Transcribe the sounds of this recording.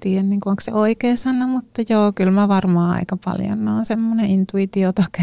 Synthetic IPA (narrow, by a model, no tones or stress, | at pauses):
t̪iːænniːŋkuoŋksḛoikeːsɑnːɑmut̪ːɑjoːkylmæʋɑrmɑːɑ̰ikɑpɑ̰ljo̰nːoinsemːoneint̪uit̪iot̪ɑke